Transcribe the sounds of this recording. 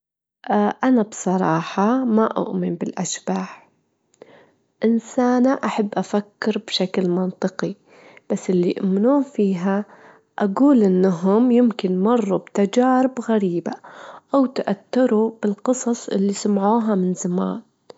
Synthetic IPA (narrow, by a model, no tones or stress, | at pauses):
ʔʔanabsˤɑɾˤɑːħɑmaʔʊ̰ʔmɪnbɪlʔaʃbaːħ | ʔɪnsaːnaʔaħabːʔafakːɪɾbʃaklmɑnt̪ˤɨqi | b̥asːʔɪlːiʔʊmnuːnfiːɦa | ʔaɡuːlʔɪnːaɦʊmjɪmkɪnmɑrˤːubt̪ad͡ʒaːɾɪbɣaɾiːbaʔawt̪aʔat̪ːɪɾub̥ɪlqɨsˤɑsˤʔɪ̰lːisamʕuːɦamɪnzama̰ːn